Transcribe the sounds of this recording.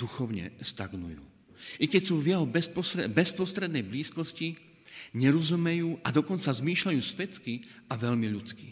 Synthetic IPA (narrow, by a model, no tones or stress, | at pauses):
d̪̥uxɔʊɲɛ̰st̪aɡnṵjṵː | ʔikɛcsuːʋɪɛɦɔbɛspɔsɾɛbɛspɾɔst̪ɾɛd̪nɛjbliːskɔsci | ɲɛɾɔzumɛjuːʔad̪ɔkɔnt͡sazmiːʃʎajuːsʋɛt͡skiaʋɛʎmiʎut͡skḭ